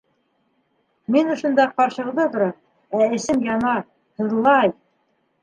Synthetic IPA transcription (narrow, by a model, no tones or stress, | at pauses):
minŏʃŏnd̪ɑqɑɾʃɤ̆ʁðɤt̪ŏɾɑ | æɘ̆sɘmjɑnɑ | hɤ̆ðlˠɑj